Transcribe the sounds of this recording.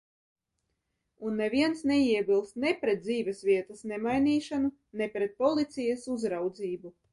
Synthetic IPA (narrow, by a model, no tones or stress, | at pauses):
unːɛvʲiɛnsneiɛbilˠst̪nepɾɛt̪̚d̪ziːvʲɛsvʲiɛt̪ɐsnemajniːʃanu | nepɾɛt̪̚pɔlˠit̪sijɐsuzɾawd̪ziːbu